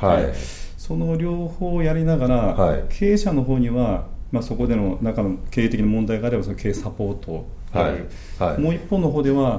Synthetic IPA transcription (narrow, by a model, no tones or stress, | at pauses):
aeso̞no̞ɾʲoːho̞ːjaɾʲinaɡaɾakʰe̞ːɕano̞ɦo̞ːɲ̟iβamaso̞ko̞d̪e̞no̞naŋkano̞ke̞ːt̪ekʲinamõ̞nd̪aiɡaːɾe̞basono̞kʰe̞ːsapo̞ːt̪o̞̥ | aɯ̟ | mo̞ːipːo̞nːo̞ɦo̞ːd̪e̞βa